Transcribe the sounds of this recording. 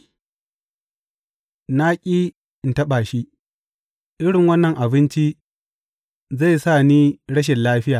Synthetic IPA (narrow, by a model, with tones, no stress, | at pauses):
naː˦kʲʼiː˦ | ɪ˨ntɐ˦ɓaː˨ʃi˦ | ʔɪ˦ɽɪ˨ŋwɐ˦nːɐ˨ŋʔa˨bɪ˦nt͡ʃi˦ | za˦˨jsaː˦˨niː˦ɽɐ˦ʃ̬ɛ˨nlaː˦ɸɪ˦jaː˨